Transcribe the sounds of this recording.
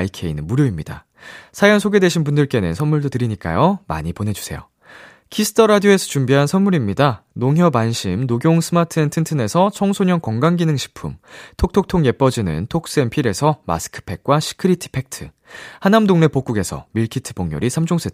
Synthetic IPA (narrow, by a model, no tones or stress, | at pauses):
ikʰe̞inɯnmuɾjoimɲida̰ | sʰajʌnsʰoɡe̞dwe̞ɕʰinbundɯɭk͈e̞nɯ̰nsʰʌnmuɭdotɯɾiɲik͈a̰joma̰ɲipone̞d͡ʑu̥sʰe̞̰jo̰ | kʰisʰɯ̥tʰʌɾadioe̞sʰʌt͡ɕumbiɦansʰʌnmuɾimɲidanoŋɦjʌbanɕʰimnoɡjoŋsʰɯmatʰɯentʰɯntʰɯne̞sʰʌt͡ɕʰʌŋsʰoɲʌnkʌŋɡaŋɡinɯŋɕʰi̥pʰumtʰok̚tʰok̚tʰoŋje̞p͈ʌd͡ʑinɯ̰ntʰok̚s͈e̞npʰiɾe̞sʰʌma̰sʰɯ̥kʰɯ̥pʰe̞k̚k͈waɕʰi̥kʰɯɾitʰɯ̥pʰe̞k̚tʰɯ | hanamdoŋne̞pok͈uɡe̞sʰʌ̰miɭkʰitʰɯ̥poŋɲo̰ɾisʰamd͡ʑʰoŋs͈ʰet